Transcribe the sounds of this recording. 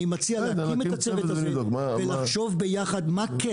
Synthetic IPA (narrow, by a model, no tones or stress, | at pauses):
imat͡sialakimetat͡seveavelaχʃo̞vbe̞jaχad̪make